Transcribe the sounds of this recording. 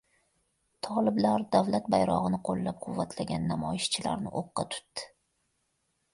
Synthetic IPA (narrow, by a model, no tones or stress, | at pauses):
t̪ʰɒlˠɪblaɾd̪avlat̪̚bajɾɒ̰ʁɨnɪqʰolːap̚qʰʊvːat̪ʰlaɡʲanːamɒjɪʃt͡ʃʰɪla̰ɾnɪ̰ʔoqːɑ̰t̪ʰʊ̥t̪ːɪ̥